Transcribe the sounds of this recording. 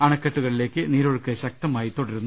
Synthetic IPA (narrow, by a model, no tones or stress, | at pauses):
ɐɳɐkːeʈːuɣɐɭile̞ːkːɨniːɾo̞ɻukːɐɕɐk̚t̪ɐmaːjit̪o̞ɽɐɾunːu